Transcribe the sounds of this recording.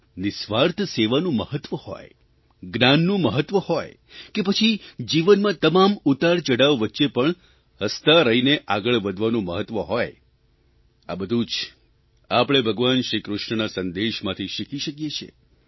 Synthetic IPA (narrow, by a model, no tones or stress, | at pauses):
nɪsʋaɾt̪ʰseʋanũməɦət̪ːʋəho̰j | ɡnanːũməɦət̪ʋəhɔj | kepət͡ʃʰid͡ʒiʋənmãt̪əmamut̪aɾt͡ʃəɽaʋʋətːʃepəɳ | həst̪aɾəɦineʔaɡəɭʋəd̪ʱʋanũməɦət̪ʋəɦoj | a̰bəd̪ʱũt͡ʃ | apəɽ̃ebʱəɡʋanʃɾikɾʊʃɳənasənd̪eʃmãt̪ʰiʃikiʃəkjet͡ʃʰḛ